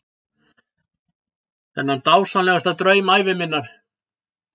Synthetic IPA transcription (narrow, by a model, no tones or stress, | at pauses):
θɛnːhant̪aːwsanlɛɣast̪at̪ɾœːɥmaːjvɪmɪnːaɾ̥